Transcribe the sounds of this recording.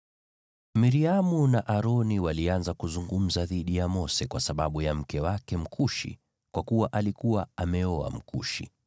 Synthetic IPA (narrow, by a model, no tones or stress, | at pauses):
miɾiamunaʔaɾɔniwalianzakuzuŋɡum̩zaðiɗijamɔsɛkwasaɓaɓujam̩kɛwakɛm̩kʰuʃḭ | kwakuwaʔalikuwaamɛɔa̰m̩kṵʃḭ